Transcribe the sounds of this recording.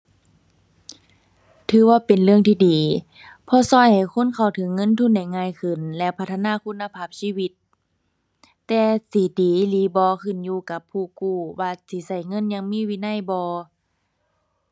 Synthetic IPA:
t̪ʰɯː˨˧˦waː˧˩pe˨nlɯ˧˩əŋt̪ʰiː˧diː˨˦ | pʰɔː˧˨sɔː˧˥˨jha˨˩jkʰo˧˥˨nkʰa˨˩wt̪ʰɤ˨˦ŋːɤ˧˥˨nt̪ʰu˧˥˨nda˧˩jŋaː˧˨jkʰɯ˧˩˨nlɛ˧pʰa˧t̪ʰːa˧naː˧˥˨kʰu˧˥˨nːa˧pʰaː˧˩p̚siː˧˥˨wi˧˦t̪ | ɛː˧siː˨˦diː˨˦liː˨˦bɔː˧kʰɯ˧˩˨njuː˧ka˧˦pʰːuː˧˩kuː˧˩waː˧siː˨˦sa˧˩jŋɤ˧˥˨nɲa˧˨ŋmiː˧˥˨wiː˧˨na˧˥˨jbɔː˧˦

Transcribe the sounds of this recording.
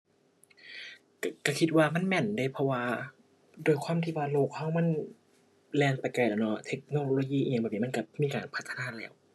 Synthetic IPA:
kka˧˩kʰi˧t̪̚waː˧ma˧˥˨nmɛ˧˩nda˧˥˨jpʰɔ˧waː˧ | doː˧˩jkʰwaː˧˥˨mt̪ʰiː˧˥˩waː˧˩loː˧˩k̚ha˧˥˩wma˧˥˨n | lɛː˧˩npa˨˩jka˧˩jaː˧˨˩nɔ˧˩t̪ʰe˦˥k̚noː˧loː˧jiː˧˥˨ʔbɛː˨˩p̚i˧m˧˥˨ka˧˩miː˧˨kaː˨npʰa˦˥t̪ʰːa˧naː˧˥˩lɛː˧˩˨w

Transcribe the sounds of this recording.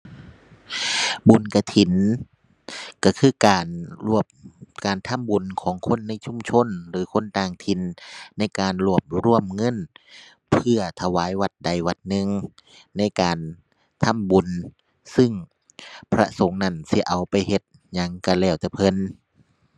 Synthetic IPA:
bu˨˩nka˧˩t̪ʰi˨˦n | ka˧˩kʰɯː˧˩kaː˨˩nu˧˩əp̚kaː˨˩nt̪ʰa˧˥˨mbu˨˩nkʰɔː˨˦ŋkʰo˧˥˨nːa˧˥˨jt͡ɕʰu˧˥˨mt͡ɕʰo˧˥˨nɾɯː˨˦kʰo˧˥˨nt̪aː˧ŋt̪ʰi˨˦nna˧˥˩jkaː˨nlu˧˩əp̚ɾu˧˩əmŋɤ˧˥˨n | pʰɯ˧˩ɐt̪ʰa˧waː˨˦jwa˧˥t̪̚da˨˩jwa˧˦t̪̚nɯ˧ŋ | na˧˥˩jkaː˨n | t̪ʰa˧˥˨mbu˨˩n | sɯ˧˩ŋ | pʰɾa̰˧so˨˦ŋna˧˩nsi˧˦ʔa˨˩wpa˨jhe˧˦t̪̚ | ɲa˧˥ŋka˧˩lɛː˧˩wt̪ɛ˧˩pʰɤ˧˥˨n

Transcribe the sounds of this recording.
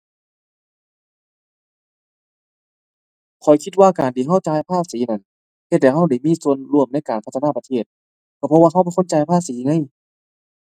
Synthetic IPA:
kʰɔ˨˩jkʰi˧t̪̚waː˧˨kaː˨nt̪ʰiː˧˩ɦa˧˥˩wt͡ɕaː˧jpʰaː˧˥˩p̚siː˨˦na˧˩n | he˧t̪̚dɛ˧˩ɦa˧˩˨wda˧˩jmiː˧˥˨su˧ənlu˧˩ə˨mna˧˥˨jkaː˨˩npʰa˧t̪ʰːaː˧˥˩pa˧t̪ʰeː˧˥˩t̪̚ | kʰa˧˩pʰɔ˧waː˧ɦa˧˩˨bɔ˧˩˨kʰo˧˥˨nt͡ɕaː˧jpʰaː˧˥˨siː˨˦˧ŋa˧˥˨j

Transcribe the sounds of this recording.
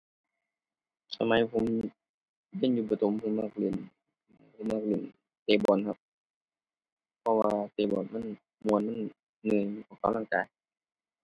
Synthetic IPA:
t̪ʰa˧ma˨˧˦jpʰo˧˦m | ja˧˥˨njuː˧˩ba˧t̪ʰo˨˦mpʰɯ˧˨maː˧˩k̚lɯ˧˩˨n | pʰɯ˧˩˨maː˧˩k̚li˧˩n | t̪eː˧˩bɔː˨˩˨nkʰa˧p̚ | pʰɔ˧waː˧t̪eː˨˧˩bɔː˨˩nma˧˥˨n | mu˧˨ənma˧˥˨n | nɯː˧˩˨ʔaː˨˩wka˧˨mlaː˧˥˨kaː˨˧j

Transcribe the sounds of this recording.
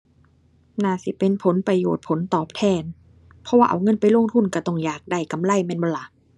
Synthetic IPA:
naː˧˩si˨˦pe˧npʰo˨˦npɾa˧joː˨˩t̪̚pʰo˨˦nt̪ɔː˨˩p̚t̪ʰɛː˧˩n | pʰɔ˦˥waː˧ʔa̰˨˧˩wŋɤ˧˥˨npa˨jlo˧˥˨ŋt̪ʰu˧˩nka˧˩t̪ɔ˧˩ŋjaː˨˩k̚da˧˩jka˧˩mla˧˩˨jmɛː˧˥˨nbɔ˧˦nla˧˦

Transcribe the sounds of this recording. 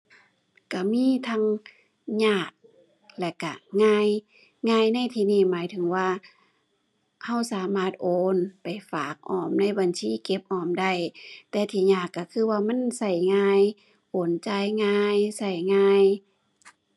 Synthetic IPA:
ka˧˩miː˧˥˨t̪ʰa˧ŋ | ɲaː˧˩k̚ | lɛ˧˩kːa˧˩ŋaː˧j | ŋaː˧˨jna˧˥˨jt̪ʰiː˧niː˧˩maː˨˦jt̪ʰɯ˨˦ŋwaː˧ | ha˧˩˨wsaː˨˦maː˧˩t̪̚ʔoː˧˦npa˨˩jfaː˨˦k̚ʔɔː˧˩mna˧˥˩jba˨nsiː˧˥˨ke˧p̚ʔɔː˧˩mda˧˩˨jt̪ɛː˧˦t̪ʰiː˧˩ɲaː˧˩kːa˧˩kʰɯː˧˥˨waː˧ma˧˥˨nsa˧˩jŋaː˧j | ʔoː˨˩nt͡ɕa˧˩jŋaː˧jsa˧˩jŋaː˧j

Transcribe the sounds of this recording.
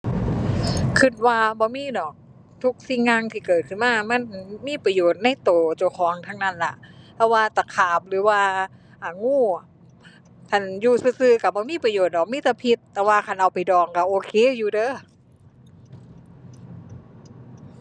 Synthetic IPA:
kʰɯ˧˩t̪̚waː˧bɔː˧˦miː˧˥˨dɔː˨˩k̚ | t̪ʰu˧˥k̚si˧˨ŋːa˧ŋt̪ʰiː˧˩kɤː˨˩t̪̚kʰɯ˧˨nmaː˧˩˨ma˧˥˨nmiː˧˥˨pa˧joː˨˩t̪̚na˧˥˨jt̪oː˨˩t͡ɕa˧˩wkʰɔː˨˦ŋt̪ʰa˧˥ŋna˧˥˨nla˧ʔpʰɛ˧waː˧t̪a˧˩kʰaː˨˩p̚lɯː˨˦waː˧ | ʔaː˨˩ŋuː˧˩˨ | kʰa˧˩njuː˧˩sɯː˧sɯː˧ka˧˩bɔː˧˦miː˧˥˨pa˧joː˨˩t̪̚nɔ˨˩miː˧˥˨t̪ɛː˧˩pʰi˧t̪ːɛː˧waː˧kʰa˧˩nʔa˨wpa˨jdɔː˨˩ŋka˧˩ʔoː˧kʰeː˧˨juː˧dɤː˧˥˨

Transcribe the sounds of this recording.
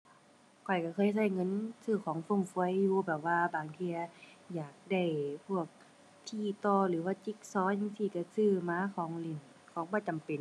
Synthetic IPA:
kʰɔ˨˩jka˧˩kʰɤː˧˥˨js̬a˧˩jŋɤ˧˥˨nsɯː˧˩kʰɔː˨˦ŋfo˧˩˨ŋfu˧˦ə˨jːuː˧bɛː˨˩p̚waː˧baː˨˩ŋt̪ʰiː˧ɐ˧jaː˨˩k̚da˧˩jpʰu˧˩ək̚ | t̪ʰiː˧˩t̪ɔː˧lɯː˨˦waː˧˩t͡ɕi˧˥k̚sɔː˧˥˨ɲa˧ŋsiː˧˩ka˧˩sɯː˧˩maː˧˥˨kʰɔː˨˦ŋli˧˩n | kʰɔː˨˦ŋbɔː˧˩t͡ɕa˨mpe˨˩n

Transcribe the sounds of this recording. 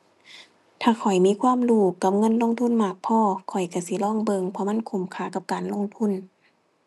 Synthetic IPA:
t̪ʰaː˧˩kʰɔ˨˩jmiː˧˥˨kʰwaː˧˥˨mluː˧˩ka˧˩p̚ŋɤ˧˥˨nlo˧˥˨ŋt̪ʰu˧˥˨nmaː˧˩k̚pʰɔː˧˥˨kʰɔ˨˩jka˧˩si˧˦lɔː˧˥˨ŋbɤ˧ŋpʰɔ˧˦ma˧˥˨nkʰu˨˩˦mkʰaː˧˦ka˧˦p̚kaː˨nlo˧˥˨ŋt̪ʰu˧˥˨n

